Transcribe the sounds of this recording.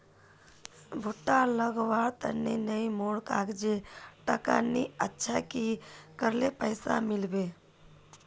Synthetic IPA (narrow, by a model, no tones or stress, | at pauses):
bʱuʈːaləɡʋaɽt̪ə̰nːenəimoɽkaɡd͡ʒeʈəka̰niətːʃʰakikəɾlepəɪsa̰milbe